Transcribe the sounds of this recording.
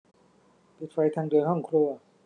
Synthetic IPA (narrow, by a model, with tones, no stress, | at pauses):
pi˨˩t̪̚fa˧jt̪ʰa˧ŋdu˧jɦɔ˥˩ŋkʰɾu˧ɐ